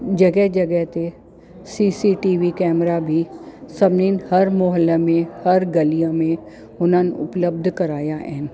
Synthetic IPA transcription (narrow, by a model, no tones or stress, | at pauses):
d͡ʒɐɡɛɦd͡ʒɐɡɛɦt̪e | siːsiʈiːʋikɛːmɾabʱisɐbniːnhɐɾmoːɦəlːəmẽhɐɾɡɐlijãmẽ | ʊnənʊpləb̚d̪ʱkɐɾaːjaɦɛ̰ːn